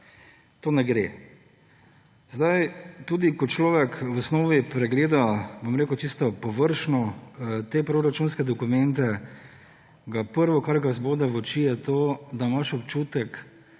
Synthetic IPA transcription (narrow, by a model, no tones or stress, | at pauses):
t̪oːnɛɡɾe | zd̪ajt̪ud̪ikɔt͡ʃlɔːʋɛkʋɔsnoːʋipɾɛɡleːd̪abomɾeːkʊt͡ʃist̪ɔpɔʋəɾʃnɔt̪eːpɾoɾat͡ʃuːnskɛd̪ɔkumɛnt̪ɛ | ɡapəɾʋɔkaɾɡazboːd̪ɛʋɔt͡ʃijɛt̪oːd̪amaʃɔpt͡ʃuːt̪ɛk